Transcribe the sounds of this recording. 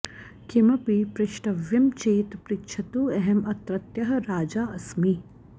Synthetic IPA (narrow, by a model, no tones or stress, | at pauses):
kimɐpipɾɪʃʈɐʋjɐmt͡ʃeːt̪pɾɪkʃʰɐt̪uːɛɦɛmɐt̪ɾɐt̪jɐɦɐɾaːd͡ʒaːɐsmi